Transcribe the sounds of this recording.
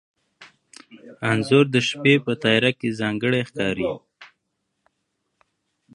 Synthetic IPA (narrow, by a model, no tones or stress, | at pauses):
anzʊɾd̪əʃpepət̪ɑjɾakezɑŋɡəɽexkɑɾi